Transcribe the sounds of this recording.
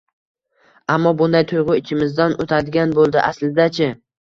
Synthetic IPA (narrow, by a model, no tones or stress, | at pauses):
amːɒbʊnd̪ajt̪ʰʊjʁʊɪt͡ʃʰɪmɪzd̪anot̪ʰad̪ɪɡʲanbolˠd̪ɪʔaslɪd̪at͡ʃʰɪ